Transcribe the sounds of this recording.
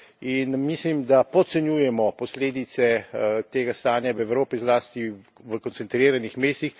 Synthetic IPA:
inmislimd̪apɔt̪sɛnjuːjɛmɔpɔsleːd̪it̪sɛt̪eːɡast̪aːnjaʋɛʋɾoːpizlaːst̪i | ʋəkɔnt̪sɛnt̪ɾiːɾanixmeːst̪ix

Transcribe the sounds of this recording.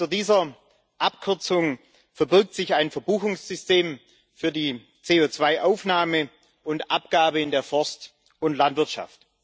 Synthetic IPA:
t͡suːɐdiːzɐ | ʔapkʰʏɐt͡sʊŋ | fɛɐbɪɐk̚tz̥ɪçaɪnfɛɐbuːxʊŋsz̥ʏsteːm | fyːɐdiː | t͡seːoːt͡sv̥aɪʔaʊfnaːmə | ʔʊntʔap̚ɡ̥aːbəɪndeːɐfɔɐst | ʊntlantv̥ɪɐtʃa̰ft

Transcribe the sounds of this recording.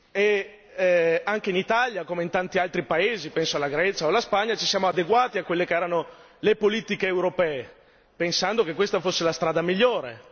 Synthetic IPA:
e | aŋkeinit̪aljakomeint̪ant̪ialt̪ɾipaeːzipɛnsoalaɡɾɛt͡ʃaolaspaɲːat͡ʃi̥sjaːmoad̪eɡwaːt̪iakːwelːekeɛːɾano | lepoliːt̪ikeːwɾopɛːe | pensand̪okekːwest̪afosːelast̪ɾaːd̪amiʎːoːɾḛ

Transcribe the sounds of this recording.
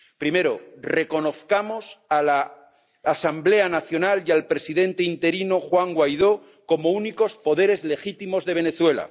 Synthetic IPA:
pɾime̞ɾo̞̰re̞ko̞no̞θkamo̞salaː | samble̞anaθjo̞naljalpɾe̞siðe̞nt̪e̞int̪e̞ɾinoxwaŋɡwajðo̞ | ko̞mo̞uniko̞spo̞ðe̞ɾe̞zle̞xit̪imo̞zðe̞β̞e̞ne̞θwe̞la̰

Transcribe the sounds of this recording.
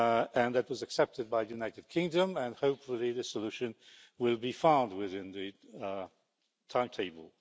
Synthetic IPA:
ɨ̃nðɨt̚wʌzɨksɛp̚tɨd̚baɪðɨjʉnaɪtɨd̚kʰɪ̃ŋdə̃mɨ̃nhoʊpfəl̩ˠiðɨsəlʉʃɨ̃n | wɪlˠbifãʊ̃nd̚wɪðɪ̃nðɨ | tʰãɪ̃mtʰeɪbəl̩ˠ

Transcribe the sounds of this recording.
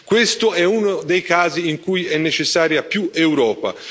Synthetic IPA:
kwest̪oɛunod̪ejkaːziiŋkujɛnːet͡ʃesːaːɾjapjuewɾɔːpa̰

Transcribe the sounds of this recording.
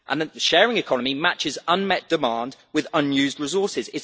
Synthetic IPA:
ʔə̃nðəʃɛːɹɪ̃ŋɪkʰɒnəmimat͡ʃɪzʌ̃nmɛʔ̚d̥ɪmɑ̃ːndwɪðʌ̃njʉːzdɹɪzɔˑsɪzɪt

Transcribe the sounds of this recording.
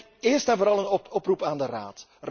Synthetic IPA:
ɪːrstɛnvoːɾɑlˠənɔɔprupaːndəra̰ːt | r

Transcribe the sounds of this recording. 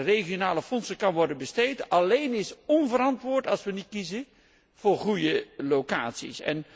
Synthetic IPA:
rejχijonaːləfɔnsəkɑnʋɔɹdənbəstejtɑlejnɪsɔnvəɾɑntʋʊːɹtɑlˠsʋənit̚kizə | v̥ʊːɹχujəlowkaːtsḭsɛ̰n

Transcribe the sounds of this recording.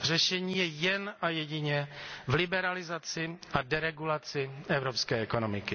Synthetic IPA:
r̝ɛʃɛɲiːjɛjɛnajɛɟɪɲɛvlɪbɛɾalɪzat͡sɪadɛɾɛɡulat͡sɪɛvɾopskɛːɛko̞nomɪkɪ

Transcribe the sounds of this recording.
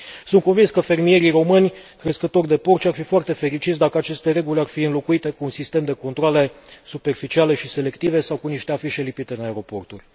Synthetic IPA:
sunt̪̚ko̞nvinskəfe̞rmije̞ɾiro̞mɨnʲkɾe̞skət̪o̞rʲd̪e̞po̞rt͡ʃʲarfifoart̪e̞fe̞ɾit͡ʃit̪s̬d̪akəat͡ʃe̞st̪e̞ɾe̞ɡulʲarfiɨnlo̞kuit̪e̞kuːnsist̪e̞md̪e̞ko̞nt̪ɾoale̞supe̞rfit͡ʃiale̞ʃise̞le̞kt̪ive̞sawkuniʃt̪e̞afiʃe̞lipit̪e̞ɨnaeɾo̞po̞rt̪urʲ

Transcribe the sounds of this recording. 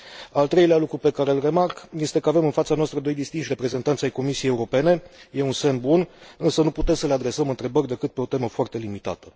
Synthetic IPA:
alt̪ɾe̞jlealukɾupe̞kaɾe̞lre̞markje̞st̪e̞kəave̞mɨnfat̪sanoast̪ɾəd̪o̞jd̪ist̪inʃʲre̞pɾe̞ze̞nt̪ant̪siajko̞misiejeuɾo̞pe̞ne̞je̞unse̞nbunɨnsənuput̪e̞msəle̞ad̪ɾe̞səmɨnt̪ɾe̞bərʲd̪e̞kɨt̪̚pe̞o̞t̪e̞məfoart̪e̞limit̪a̰t̪ə

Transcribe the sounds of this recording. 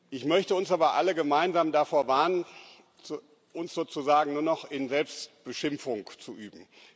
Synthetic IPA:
ʔɪçmœçtəʊnsʔaːbɐʔaləɡəmaɪnzaːmdafoːɐvaːɐnən | t͡s | ʔʊnsz̥oːt͡suzaːɡŋ̩nuːɐnɔχɪnzɛlpstb̥əʃɪmfʊŋt͡suʔyːbm̩

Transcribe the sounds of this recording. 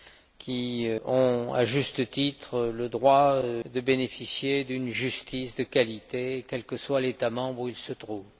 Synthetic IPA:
kʲʰiɔ̃a̰ʒyst̪ət̪it̪χələd̪ʁwad̪əbenefisjed̪ynʒyst̪isd̪əkalit̪ekʲɛlkəswalet̪amɑ̃bʁuilsət̪χuːv

